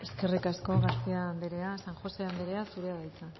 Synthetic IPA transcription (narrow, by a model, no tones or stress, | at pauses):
e̞ske̞rikasko̞ɣast̪iand̪eɾe̞asaŋxo̞seand̪eɾe̞asuɾeaðajt͡sa